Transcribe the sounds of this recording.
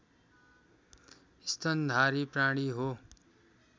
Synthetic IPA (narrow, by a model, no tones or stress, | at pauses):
ist̪ʌnd̪ʱaɾipraɽ̃iɦo